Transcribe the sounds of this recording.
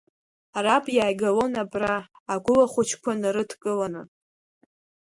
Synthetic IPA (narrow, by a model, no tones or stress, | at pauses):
arabʼjaːjɡalonabraː | ɡʷʊlaχʷʊt͡ʃʰkʷʰanɨɾɨtʰkʼɨlanɨ